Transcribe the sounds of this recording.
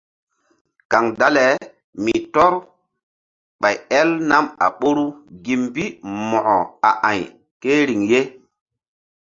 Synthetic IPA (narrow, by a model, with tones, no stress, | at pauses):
ka˨ŋda˦le˨ | mi˨tɔ˦ɾ | ɓa˨jɛ˦lna˦ma̰˨ɓo˦ɾu˦ɡi˨mbi˦mɔ˨ʔɔ˨a˨ʔa˨j | ke˦ɾi˨ŋje˦